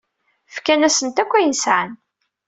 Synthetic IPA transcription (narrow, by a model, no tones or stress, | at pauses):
fkænæsənt̪ækʷːæjənsʕən